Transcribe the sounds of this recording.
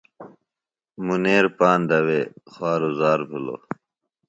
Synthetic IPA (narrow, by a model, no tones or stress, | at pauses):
muneːɾpaːnd̪ɐweːxwaːɾozaːɾpʰilo̰